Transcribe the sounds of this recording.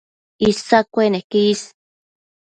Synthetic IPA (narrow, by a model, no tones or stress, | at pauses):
isakʷenehkis